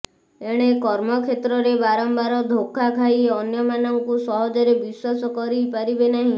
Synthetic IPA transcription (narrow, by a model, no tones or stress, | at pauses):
eɽ̃ekɔɾmɔkʰet̪ɾɔɾebaɾɔmbaɾɔd̪ʱokʰːakʰaiɔnjɔmanɔŋkusɔɦɔd͡ʒɔɾebiswasɔkɔɾipaɾibenaɦĩ